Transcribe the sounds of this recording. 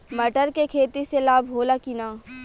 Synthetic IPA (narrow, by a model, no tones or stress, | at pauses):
mɐʈəɾkekʰeːt̪iselaːbʱɦoːlakinaː